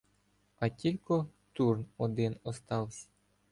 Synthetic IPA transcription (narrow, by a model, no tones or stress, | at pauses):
ɐtʲilʲkɔt̪urnɔd̪ɪnɔst̪ɑwsʲɐ̥